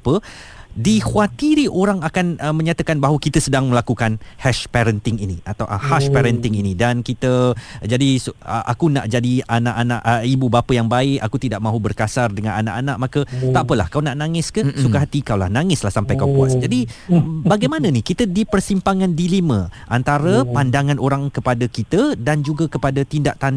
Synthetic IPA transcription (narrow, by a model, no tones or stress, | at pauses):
pə | dihuat̪iɾiʔoɾaŋakanəmə̃ɲat̪akanbaɦwəkit̪əsədaŋmə̃lakukanhɛʃpɛɾənt̪ɪŋinĩʔat̪awʔhaʃpɛɾənt̪ɪŋinidankit̪əd͡ʒadisə̰ʔa̰kuna̰ʔd͡ʒadianaʔanaʔəibubapəjaŋbaɪkakut̪idaʔmãɦubərkasardəŋãnana̰ʔanaʔmakət̪aʔapəla̰hkawnaʔnaŋɪskəsukaɦat̪ikawla̰hnaŋɪslahsampajkawpua̰sd͡ʒadibaɡajmanə̃nikit̪ədipərsimpaŋandilimə̃ʔant̪aɾəpandaŋãnoɾaŋkəpadakit̪ədand͡ʒuɡakəpadat̪indaʔt̪an